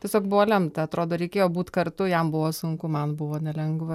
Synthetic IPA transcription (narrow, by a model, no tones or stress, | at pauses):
tʲiɛsʲoːkbʊʋoːlʲɛmt̪ɐɐt̪ɾoːd̪oːɾʲɛɪkʲeːjoːbuːt̪kɐrt̪ʊjɛmbʊʋoːsʊŋkʊmɐnbʊʋoːnʲɛlʲɛŋɡʋɐ